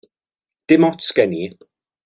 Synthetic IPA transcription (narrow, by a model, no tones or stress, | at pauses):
d̥ɪmɔtskɛni